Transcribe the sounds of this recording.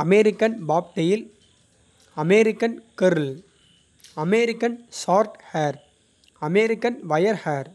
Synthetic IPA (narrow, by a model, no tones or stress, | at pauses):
ɐmɛɾɪkːɐnbaːp̚ʈɐjɪl | ɐmɛɾɪkːɐnkɪɾl | ɐmɛɾɪkːɐnsaːɾʈhaːɾ | ɐmɛɾɪkːɐnʋɐjɐɾhaːɾ